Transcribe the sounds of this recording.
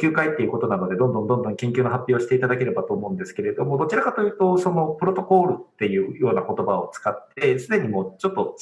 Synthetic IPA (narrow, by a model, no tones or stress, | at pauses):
kʲɨːkait̪ːe̞iɯko̞t̪o̞nano̞d̪e̞d̪õ̞nd̪õnd̪õ̞nd̪õ̞ŋkẽ̞ŋkʲɨːnoɦapʲːjo̞ːɕi̥t̪e̞it̪ad̪ake̞ɾe̞bat̪o̞ːmo̞ɯ̟̃nd̪e̞sɨ̥ke̞ɾe̞d̪o̞mo̞d̪o̞t͡ɕiɾakat̪o̞jɯ̟ːt̪o̞so̞no̞pɯ̟ɾo̞t̪o̞ko̞ːɾɯ̟t̪ːe̞jɯ̟ːjo̞ːnako̞t̪o̞bao̞t͡sɨ̥kat̪ːe̞sɨd̪e̞ɲ̟imo̞t͡ɕo̞t̪ːo̞